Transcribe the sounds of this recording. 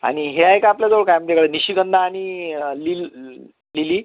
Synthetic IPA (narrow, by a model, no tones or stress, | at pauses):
a̰ɽ̃iɦeajkaapljad͡zəʋəɭkajməd̪jakəɽeniɕiɡənd̪ʱaːɽ̃ilil | liliː